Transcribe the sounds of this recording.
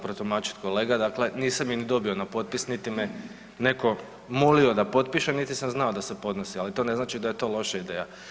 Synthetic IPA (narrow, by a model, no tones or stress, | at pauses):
pɾot̪umaːt͡ʃi̥t̪ko̞le̞ːɡad̪akle̞niːsaminid̪o̞bio̞napo̞t̪̚pisnit̪ime | ne̞ko̞ | molio̞d̪apo̞t̪̚piʃenit̪isamznao̞d̪asepo̞d̪nosialit̪o̞ːne̞znaːt͡ʃid̪aje̞t̪o̞lˠo̞ʃaid̪e̞ːja